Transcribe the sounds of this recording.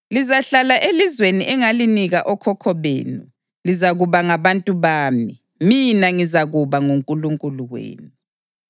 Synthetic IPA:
lizaɬalaʔelizweniʔɛŋaliniɣaʔɔkʰɔkʰɔβḛːnu | lizaɣuβaŋaβantʼuβaːmi | minaŋizaɣuβaŋuŋkʼuluŋkʼuluwḛːnu

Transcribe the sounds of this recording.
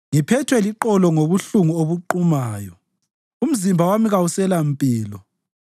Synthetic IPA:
ŋipʰɛtʰwɛliǃɔlɔŋoβuɬuŋuoβuǃumaːjɔ | um̩zimbʱawamiɣausɛlampʼiːlɔ

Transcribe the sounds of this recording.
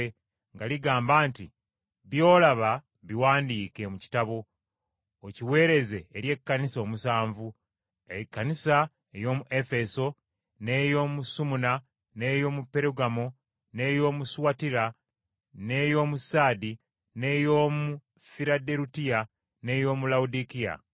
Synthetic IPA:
ŋɡaliɡaːmbaːnti | βjo̞ːlaβa | βiwaːndiːke̞muci̥taβo̞ | ociwe̞ːɾe̞ze̞ːɾje̞kːaniso̞ːmusaːɱvu | ekːanisa | ejo̞ːmuʔe̞fe̞so̞ | ne̞jo̞ːmusumuna | ne̞jo̞ːmupːe̞ɾuɡamo | ne̞ːjo̞ːmuswatiɾa | ne̞jo̞ːmusaːdi | ne̞jo̞ːmu | fiɾadeɾutija | ne̞ːjo̞ːmulawudikija̰

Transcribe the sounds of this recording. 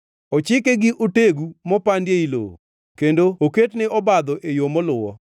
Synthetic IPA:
ɔt͡ʃɪkeɡɪʔoteɡumɔpandjeilo̰ | kendooketnɪɔbad̪ɔʔejomɔlʊwɔ

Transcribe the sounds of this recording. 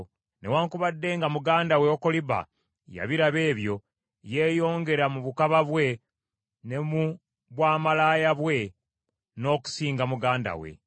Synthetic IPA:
newaːŋkuβadːe̞ŋɡamuɡaːndaweoko̞liba̰ | ja̰βiɾaβe̞ːβjo̞ | je̞ːjo̞ːŋɡe̞ɾamuβukaβaβwe̞ | ne̞mu | βwaːmalaːjaβwe̞ | no̞ːku̥siːŋɡamuɡaːnda̰we̞̰

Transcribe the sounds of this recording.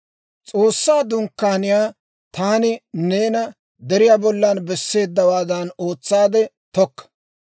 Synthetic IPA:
t͡sʼo̞ːsːaːd̪ʊŋkːaːnɪjaː | t̪aːnɪne̞ːnɐ | d̪ɛɾɪjaːbɔlːanbɛsːe̞ːd̪ːɐwaːd̪ɐno̞ːt͡sːaːd̪ɛ | t̪ɔkːɐ̥

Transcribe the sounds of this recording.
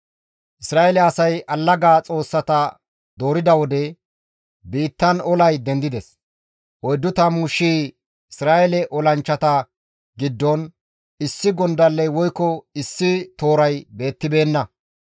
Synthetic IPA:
ʔɪsɾaːɛlɛɐsɐjʔɐlːɐɡaːt͡sʼo̞ːsːɐt̪ɐ | d̪o̞ːɾɪd̪ɐwɔd̪ɛ | biːt̪ːɐnɔlɐjd̪ɛnd̪ɪd̪ɛs | wɔjd̪ːʊt̪ɐmuːʃːiː | ɪsɾaːʔɛlɛʔɔlɐnt͡ʃːɐt̪ɐ | ɡɪd̪ːɔn | ɪsːɪɡɔnd̪ɐlːɛjwɔjkːɔɪsːɪt̪o̞ːɾɐjbe̞ːt̪ːɪbe̞ːnːɐ

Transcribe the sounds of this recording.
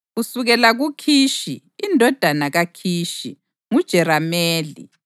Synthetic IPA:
ɣusuɣɛlaɣukʰiːʃiː | ndʱɔd̥ʱanaɣakʰiːʃḭ | ŋud̥ʒ̥ʱɛɾameːlḭ

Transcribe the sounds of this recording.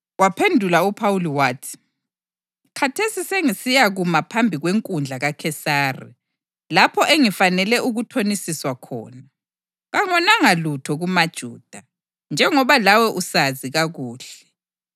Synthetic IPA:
wapʰendʱulaupʰawuliwaːtʰi̥ | kʰatʰesiseŋisijaɣumapʰambʱiɣweŋkʼund͡ɮʱaɣakʰɛsaːrḭ | lapʰɔʔeŋifanɛlɛʔuɣutʰonisiswakʰɔ̰ːna | ɣaŋɔnaŋalutʰɔɣumad̥ʒ̥ʱuːd̥ʱa | nd͡ʒʱɛŋɔβalawɛʔusaziɣaɣuːɬɛ

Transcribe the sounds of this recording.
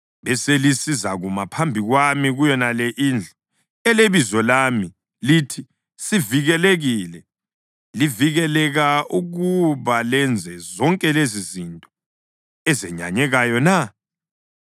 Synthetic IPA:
βɛselisizaɣumapʰambʱiɣwamiɣujɔnalɛʔind͡ɮʱɔ | ɛleβizɔlami | litʰi | siviɣɛleɣilɛ | liviɣɛlɛɣauɣuβalɛnd͡zʱɛzɔŋkʼɛlezizintʼɔ̥ | ɛzɛɲa̰ɲɛɣajɔna

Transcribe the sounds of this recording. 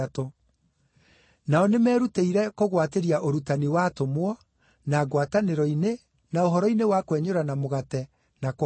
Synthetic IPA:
to | naɔnemɛːɾuteiɾɛkoɣwateɾiaʔoɾutaniwaːtomwɔ | naːɡwataneɾɔine | naoɦɔɾɔinewakwɛɲoɾanamoɣatɛ | nak

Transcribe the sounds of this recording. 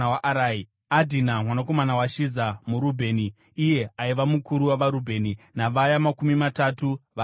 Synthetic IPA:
waʔaɾai | adʱinamwanako̞manawaʃizamuɾubʱe̞ːniː | je̞aiʋamukuɾuwaʋaɾubʱe̞ːninaʋajamakumimatatuʋa

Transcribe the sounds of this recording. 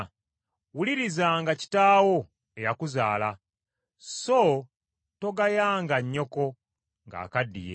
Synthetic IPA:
wuliɾizaŋɡaci̥taːwo̞ | e̞jakuzaːla | so | to̞ɡajaːŋɡaɲːo̞ko̞ | ŋɡa̰ːkadːḭjḛ

